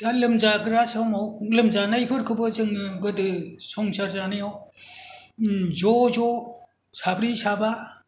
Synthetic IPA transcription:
d̥alɯmzaɡɯɾasamawlɯmzanajpʰɯɾkʰɯbɯzɯŋɡɯdɯsɔŋsaɾzaniaw | zɔzɔ | sabɾisaba

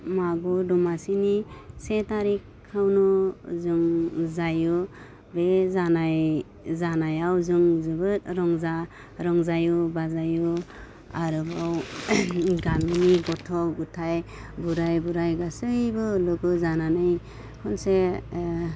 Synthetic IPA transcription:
maɡudumasinisetaɾikʰːawnɔzɯŋzajɯ | bezanaj | zanajawzɯŋzɯbɯt̚ɾɔŋza | ɾɔŋzajubazajɯ | aɾɯbaw | ɡaminiɡɔtʰɔɡutʰaj | buɾajbuɾajɡasɯjbɯlɯɡɯzananɯj | kʰɔnse

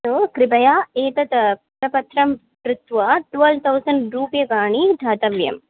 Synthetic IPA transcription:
t̪oːkɾɪpɐjaːeːkɐt̪ | ɾɐpɐt̪ʰːɾɐm | pɾʊt̪ʋaʈʋɐlt̪ʰɐwsɐɳɖɾuːpjɐɡaːɳid̪ʱaːt̪ɐʋjɐ̰m

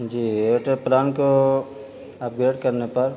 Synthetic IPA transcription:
d͡ʒiːeʈəɾplaːnko | ɐp̚ɡɾeːɖkɐɾnepɐɾ

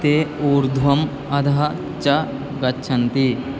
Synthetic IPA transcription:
t̪eoːɾd̪ʱwɐm | ɐd̪ʱa | t͡ʃɐ | ɡɐtːʃʰɐnt̪i

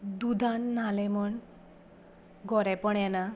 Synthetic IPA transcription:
d̪ud̪ʱanːalɛmɔɳ | ɡɔɾɛpɔɳɛna

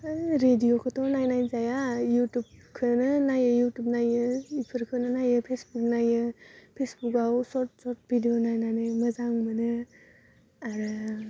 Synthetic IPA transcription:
ɯjɾedijokʰɯtʰɔnajnajzajajutub̚kʰɯnɯnajɯjutup̚najɯipʰɯɾkʰɯnɯnajɯpʰesbuk̚najɯpʰesbukawsɔt̚sɔɾt̚bʱidionajnanɯməzaŋmɯnɯ | aɾɯ

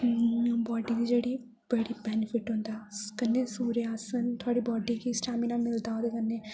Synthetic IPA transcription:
mũbɔːɖiːd̪iːd͡ʒeːɽiː | b̥əɽiːbɛːnɪfʰɪʈɦʊ̃nd̪akənːeːsuːɾeaːsənt̪ʰʊaːɽiːbɔːɖiːkisʈaːminãːmɪld̪aːoːd̪ekənːeː

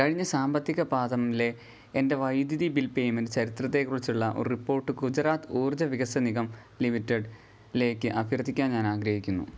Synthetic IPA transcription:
kɐɻiɲːɐsaːmbɐt̪ːjiɣɐbaːd̪ɐmle̞ | ende̞ʋɐjd̪jɐðibilpejmendt͡ɕɐɾit̪rɐt̪̬ːe̞kːurit͡ɕːuɭːɐʔo̰ɾripːo̞ːrʈːɨkud͡ʑɐraːt̪ɨuːrd͡ʑɐʋiɣɐsɐniɣɐm | limitːeɖ | le̞ːkʲːɨʔɐbʱirɐt̪ːikʲːaːnɲaːnaːɡɾɐɦikʲːunːṵ

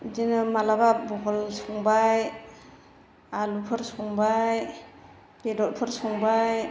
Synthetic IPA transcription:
d͡ʒinɯmalababɔɡɔlsɔŋbaj | alupʰɯɾsɔŋbaj | b̥edɔt̚pʰɯɾsɔŋbaj

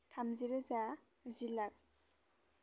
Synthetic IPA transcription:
tʰamziɾaza | zilak̚

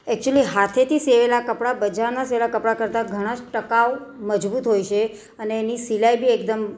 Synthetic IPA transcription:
ɛk̚t͡ʃuəliɦat̪ʰet̪ʰiseʋelakəpɽabəd͡ʒaɾnaseʋelakəpɽakəɾt̪aɡʱəɽ̃ad͡ʒʈəkawməd͡ʒbut̪ɦojt͡ʃʰe | əneːnisilajbʱiekd̪əm

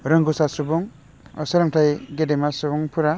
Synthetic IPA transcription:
ɾɯŋɡusasubɔŋ | ɔ̰sɯɾɯŋtʰajɡedemasubɔŋpʰuɾa

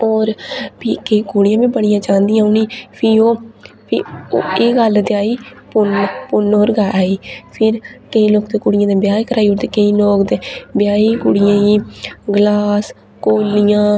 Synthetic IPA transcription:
ɔːɾpiːkəiːkuɽɪjãːbiːbəɽ̃ɪjãːt͡ʃãːnd̪ɪjãːoniːpʰiːoː | pʰieːɡəld̪eaːiːpʊnpʊnoːɾɡaːaːiːpʰɪɾkəĩːloːkd̪eːkʊːɽɪjãːd̪eːbjaːikəɾʔaːiːʊɾd̪eːkəiːloːkd̪eːbjaːiːkʊɽɪjãːiːɡlaːs | koːlɪjãː

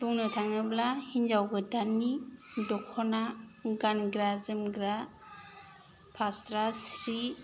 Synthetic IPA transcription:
buŋnɯtʰaŋɯblahind͡ʒawɡɯdanidɔkʰɔnaɡanɡɾazɯmɡɾa | pʰastɾasɾi

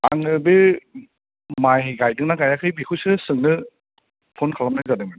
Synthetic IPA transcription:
aŋɯbɯ | majɡajdɯŋnaɡajakʰɯjbikʰusɯsɯŋnɯ | pʰonkʰalamnɯzadɯŋman

